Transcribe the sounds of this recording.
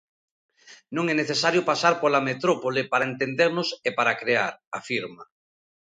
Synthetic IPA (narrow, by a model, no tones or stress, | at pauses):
nõŋɛneθesaɾjopasaɾpolamet̪ɾopolipaɾaent̪end̪eɾnosepaɾakɾeaɾafiɾma